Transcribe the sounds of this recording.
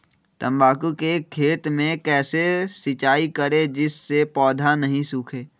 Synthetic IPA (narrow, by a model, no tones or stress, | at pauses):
t̪ɐ̃mbaːkukekʰeːt̪mẽkɛːsesɪt͡ʃaːikəɾed͡ʒɪsːepɔːd̪ʱanɐɦĩsuːkʰeː